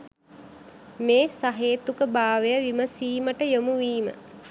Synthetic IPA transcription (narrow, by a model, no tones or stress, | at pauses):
meːsaɦeːt̪ukəbaːʋejəʋiməsiːməʈəjomuʋiːmə̰